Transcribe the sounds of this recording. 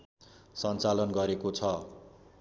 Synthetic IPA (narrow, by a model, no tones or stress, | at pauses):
sʌnt͡salʌnɡʌɾekot͡sʰʌ